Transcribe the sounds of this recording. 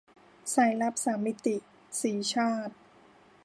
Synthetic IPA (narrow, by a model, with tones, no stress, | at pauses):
sa˩˦jla˦˥p̚saː˩˦mːi˦˥t̪i˨ | siː˩˦t͡ɕʰaː˥˩t̪̚